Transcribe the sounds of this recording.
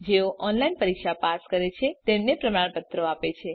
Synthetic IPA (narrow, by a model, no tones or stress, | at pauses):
d͡ʒeoʔɔnlainpəɾikʃapaskəɾet͡ʃʰet̪emnepɾəmaɳpət̪ɾoapet͡ʃʰe